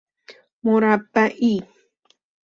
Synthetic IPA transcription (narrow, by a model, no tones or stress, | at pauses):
mʊɾapaʔi